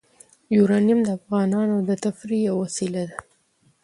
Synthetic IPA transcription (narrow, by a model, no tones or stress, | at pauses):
juɾɑnijamd̪əafɣɑnɑnod̪ət̪afɾijawasilad̪a